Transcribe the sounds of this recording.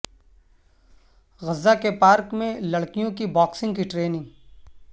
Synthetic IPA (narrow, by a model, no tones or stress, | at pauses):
ɣɐzːakepaːɾkmẽlɐɽkijõkibɔːksɪ̃ŋɡkiʈɾeːnɪ̃ŋɡ